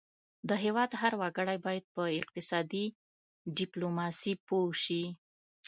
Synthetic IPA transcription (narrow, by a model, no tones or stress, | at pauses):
d̪əɦewɑd̪ɦaɾwaɡəɽajbɑjad̪̚pəɪq̚t̪ɪsɑd̪i | ɖɪplomɑsipowʃi